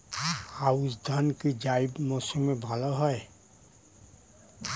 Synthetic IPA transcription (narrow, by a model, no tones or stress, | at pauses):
awsd̪ʱɔnkid͡ʒajbmɔsɔmːebʱalɔɦɔj